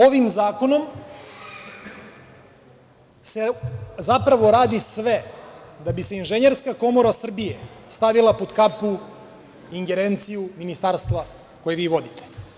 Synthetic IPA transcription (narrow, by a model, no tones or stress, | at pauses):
oʋimzaːko̞no̞m | sezapɾaʋo̞ɾaːd̪isʋed̪abiseinʒeɲeɾskako̞mo̞ɾasr̩bijest̪aʋilˠapo̞d̪kapu | iŋɡe̞ɾe̞nt̪sijuminist̪aːɾst̪ʋa | ko̞jeʋiːʋo̞d̪it̪ʰe̥